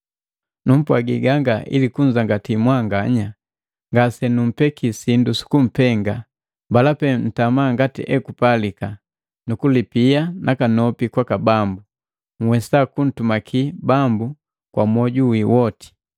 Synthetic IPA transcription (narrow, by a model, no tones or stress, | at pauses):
num̩pwaɡiɡaŋɡaḭlikuɲd͡ʒaŋɡatimwaŋɡaɲa | ŋɡasɛnum̩pɛkisindusu̥kum̩pɛŋɡa | mbalapɛn̩tamaŋɡatḭʔɛkupalika | nukulipianʔakanɔpikwakabambu | ŋ̩wɛsakun̩tumakʰibambu | kwa̰mwɔɟuwiwɔti̥